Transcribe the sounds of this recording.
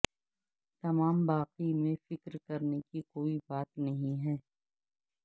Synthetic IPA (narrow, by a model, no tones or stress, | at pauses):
t̪ɐmaːmbaːqimẽfɪkɾkɐɾnekikoːibaːt̪nɐɦĩɦɛː